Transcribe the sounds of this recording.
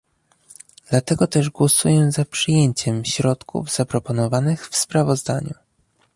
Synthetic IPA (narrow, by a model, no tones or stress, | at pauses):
d̪̥lat̪ɛɡɔt̪ɛʐɡwɔsujɛzapʂɘjeɲt͡ɕɛmɕɾɔt̪kʰṵvz̥apɾɔpɔnɔvanɘxfspɾavɔzd̪a̰ɲu